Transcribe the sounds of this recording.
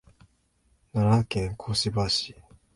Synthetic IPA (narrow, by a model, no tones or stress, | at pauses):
naɾakɛ̃ŋkʰosibaɕi